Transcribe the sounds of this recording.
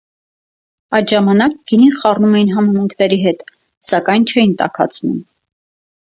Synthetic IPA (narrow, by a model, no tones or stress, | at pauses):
ɑjt̪ʒɑmɑnɑk̚ɡ̥iniχɑrnumɛjinɦɑmɑmuŋkʰnɛɾiɦɛt̪ | sɑkɑjnt͡ʃʰɛjint̪ɑ̰kʰɑ̰t͡sʰnṵm